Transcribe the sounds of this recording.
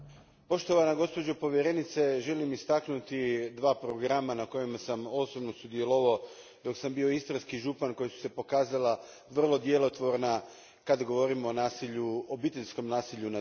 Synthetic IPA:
po̞ʃt̪o̞ʋanaɡo̞spo̞d͡ʑopo̞ʋjeɾe̞nit̪se̞ʒe̞limist̪aknut̪id̪ʋaːpɾo̞ɡɾamanako̞jemasamo̞sobno̞sud̪je̞lo̞ʋao | d̪o̞ksambio̞ist̪ɾaskiʒupanko̞jesu̥se̞po̞kaːzala | ʋr̩lˠo̞d̪jelo̞t̪ʋo̞ɾna | kad̪aɡo̞ʋo̞ɾimoːnaːsiʎuobit̪e̞ʎʲsko̞mnaːsiʎuna

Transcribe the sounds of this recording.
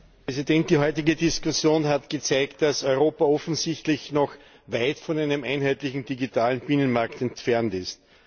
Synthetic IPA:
pʁɛzidɛntd̥iːɦɔʏtɪɡədɪskʊsjoːnɦatɡ̥ət͡sæɪkt̚d̥asɔʏʁoːpaɔfn̩sɪçtlɪçnɔx | vaɪtfɔnæɪnəmʔæɪnhæɪtlɪçŋ̩diɡitʰaːlənb̥ɪnənmaɐktɛntfɛɐntɪst

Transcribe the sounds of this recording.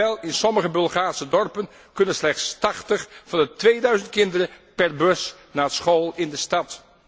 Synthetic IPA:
ɛlˠɪnsɔməχəbɵlˠχaːɹsədɔɹpən | kɵnənslɛχtstɑχtəχfɑndətʋejdœɥzənt̚kɪndərəpɛɹbɵs | naːətsχowlˠɪndəstɑt

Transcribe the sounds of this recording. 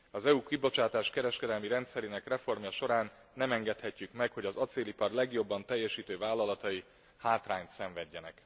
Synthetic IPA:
ɒzɛukibo̞t͡ʃaːt̪aːʃkɛɾɛʃkɛd̪ɛlmiɾɛnt̪sɛɾeːnɛkrɛfo̞rmjɒʃo̞ɾaːnːɛmɛŋɡɛt̪hɛcːykmɛkho̞ɟɒzɒt̪seːlipɒrlɛɡjo̞bːɒnt̪ɛjːɛʃiːt̪øːvaːlːɒlɒt̪ɒji | haːt̪raːɲt̪sɛɱvɛɟːɛnɛ̰k

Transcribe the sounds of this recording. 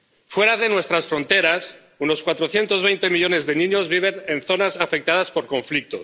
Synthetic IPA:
fwe̞ɾaðe̞nwe̞st̪ɾasfɾo̞nt̪e̞ɾas | uno̞skwat̪ɾoθje̞nt̪o̞zβ̞ejnt̪e̞miʎo̞ne̞zðe̞nĩɲo̞zβiβ̞e̞ne̞nθo̞nasafek̚t̪að̞aspo̞ɾko̞ɱflik̚t̪o̰

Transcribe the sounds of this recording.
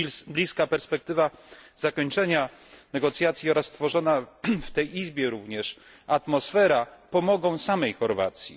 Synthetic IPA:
blʲiskapɛɾspɛk̚t̪ɘvazakɔɲt͡ʂɛɲanɛɡɔt̪sʲjat̪sʲjiɔɾasːt̪fɔʐɔnaft̪ɛjizbʲjɛɾuvɲɛʂ | at̪mɔsfɛɾapɔmɔɡɔ̃w̃samɛjxɔɾva̰t̪sʲjḭ

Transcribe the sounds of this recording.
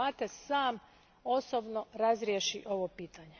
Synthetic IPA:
at̪esaːm | o̞sobnoɾazɾjeʃiʔo̞ʋopiːt̪aɲe

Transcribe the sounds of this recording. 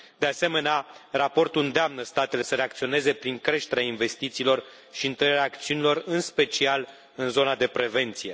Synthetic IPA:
d̪ease̞me̞nearapo̞rt̪ulɨnd̪eamnəst̪at̪e̞le̞səɾeak̚t̪sio̞ne̞ze̞pɾiŋkɾe̞ʃt̪e̞ɾeainve̞st̪it̪siːlo̞r | ʃiɨnt̪əɾeɾeaːkt̪siunilo̞rɨnspe̞t͡ʃial | ɨnzo̞nad̪e̞pɾe̞ve̞nt̪sije̞

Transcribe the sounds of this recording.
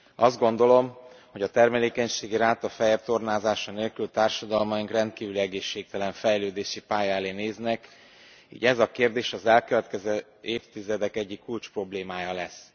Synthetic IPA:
ɒzd̪ɡo̞nd̪o̞lo̞mho̞ɟɒt̪ɛrmɛleːkɛɲʃeːɡiɾaːt̪ɒfɛjɛpt̪o̞rnaːzaːʃɒneːlkylt̪aːrʃɒd̪ɒlmɒiŋkrɛnt̪kiːvyliɛɡeːʃːeːk̚t̪ɛlɛɱfɛjløːd̪eːʃipaːjɒɛleːneːznɛk | ḭːɟɛzɒkeːrd̪eːʃɒzɛlkøvɛt̪kɛzø | eːft̪izɛd̪ɛkɛɟːikːult͡ʃpro̞bleːmaːjɒlɛs

